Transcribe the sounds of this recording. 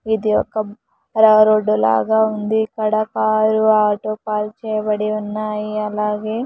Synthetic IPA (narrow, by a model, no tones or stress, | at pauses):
id̪iɔkːɐ | ɾɐɾoɖːula̰ːɡaːund̪iːkːɐɽɐkaːɾuaːʈoːpaːlt͡ʃɛːjɐbɐɽiunːaːjiɐlaːɡe̞ː